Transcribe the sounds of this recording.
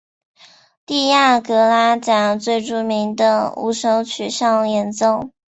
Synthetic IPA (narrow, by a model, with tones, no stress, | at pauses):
t̪i˥˧ja˥˩kɤ˧˥la˥t͡ɕjɑ˨˩ŋt͡swe˥˧ɪʈ͡ʂu˥˩mi˧˥ŋd̪ə˧ṵ˧˥ʂɤ˧˥ŋt͡ɕʰy˨˩ʂɑ˥˩ŋjɛ˧˥nt͡so˥˩˧ʊ